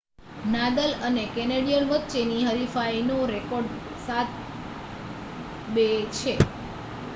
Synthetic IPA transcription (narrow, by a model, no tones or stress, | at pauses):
nad̪ələnekɛneɽijəlʋət̪ːt͡ʃeniɦəɾifainõɾekɔɾɖ | sat̪̚ʰ | bet͡ʃʰe